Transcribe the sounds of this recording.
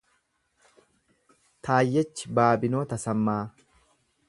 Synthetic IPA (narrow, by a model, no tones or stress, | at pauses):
t̪ʰaːjːɛt͡ʃːɪbaːbɪnoːt̪ɐsɐmːaː